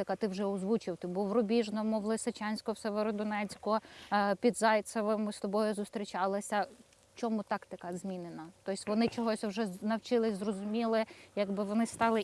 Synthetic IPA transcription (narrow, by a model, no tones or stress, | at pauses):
ɪkɐt̪ɪwʒɛɔzʋut͡ʃɪwt̪ɪbuʋɾɔbʲiʒnɔmʊʋlˠɪsɪt͡ʃɑnʲsʲkɔwseʋeɾɔd̪ɔnɛt͡sʲkɔpʲid̪zɑjt̪sɐʋɪmʊst̪ɔbɔjʊzʊst̪ɾʲit͡ʃɑlˠɪsʲɐ | t͡ʃɔmut̪ɑkt̪ɪkɐzʲmʲinɪnɐt̪ɔjɪsʲʋɔnɪt͡ʃɔɦɔsʲwʒɛnɐwt͡ʃɪlˠɪsʲzrɔzʊmʲilˠɪjɐɡbɪʋɔnɪst̪ɑlˠɪ